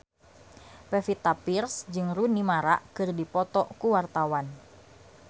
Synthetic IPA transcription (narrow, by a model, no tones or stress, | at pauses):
pɛfit̪apirsd͡ʒɨŋrunimaɾa̰ʔkɨrdipɔt̪ɔkuwart̪awan